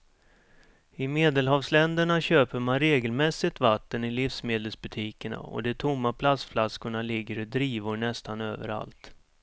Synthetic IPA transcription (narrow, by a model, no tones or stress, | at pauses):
ɪmeːd̪əlɦɑːvslɛnd̪əɳaɕøːpəɾmanɾeːɡəlmɛsɪt̪vat̪ːənɪlɪfsmeːd̪əlsbɵt̪ʰiːkəɳa̰ɔ̰d̪ɛt̪ʰʊmːapʰlast̪flaskʊɳalɪɡːəɾɪd̪ɾiːvʊɾɳɛst̪anøːvə̰ɾa̰lt̪